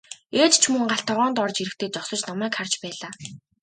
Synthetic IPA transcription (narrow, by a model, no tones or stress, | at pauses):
eːt̪t͡ɕʰmɵŋɢaɬt̪ʰɔʁɔːnt̪ɔrt͡ɕiɾɘ̆k̚t̪ʰeːt͡sɔχsɞ̆t͡ɕnɔmæːkʰart͡ɕpæːɮaː